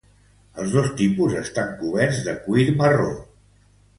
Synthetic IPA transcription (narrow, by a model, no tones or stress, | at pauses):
əlˠzðost̪ipuzəst̪aŋkuβɛɾzðəkwiɾməro